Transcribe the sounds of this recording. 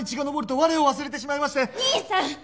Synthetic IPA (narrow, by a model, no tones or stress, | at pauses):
it͡ɕiɡano̞bo̞ɾɯt̪o̞βaɾeo̞βas̬ɨɾe̞t̪e̞ɕ̬imaimasɕi̥t̪e